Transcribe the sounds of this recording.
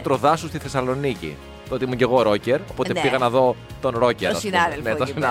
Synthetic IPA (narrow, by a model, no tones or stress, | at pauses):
t̪ɾoðɐsust̪iθe̞sɐlo̞nicḭ | t̪oot̪imuɲɟe̞ɣo̞ɾo̞ce̞ɾopo̞t̪epiɣɐnɐðo̞t̪o̞nɾo̞ceɾsnðelnesinɐ